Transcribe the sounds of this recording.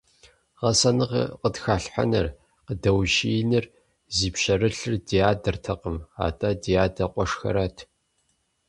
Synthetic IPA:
ʁɐsɐnɨʁ̰qətxaːɬħa̰nɐr | qədɐwʒiːnɨr | ziːpɕɐɾɨɬɨrdijaːdɐrtʰɐqəma̰ːtʼɐdijaːdɐqʷʼɔʂxɐ̰ɾɐtʰ

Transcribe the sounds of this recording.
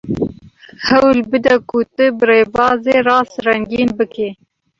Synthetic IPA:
hɛwlbɨd̪ɛkʊt̪ɨbɨreːbɑːzeːrɑːsrɛŋɡiːnbɨkeː

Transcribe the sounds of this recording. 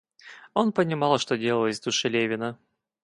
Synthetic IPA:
o̞npənʲɪmɑlˠʂt̪odʲelˠəlˠəsʲd̪ʊʂɨlʲevʲɪnə

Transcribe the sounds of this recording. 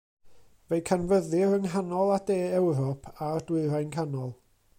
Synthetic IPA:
vejkʰanvəðɪɾəŋɦanɔlˠadeːɛwɾɔpʰardwɪɨɾajnkʰanɔlˠ

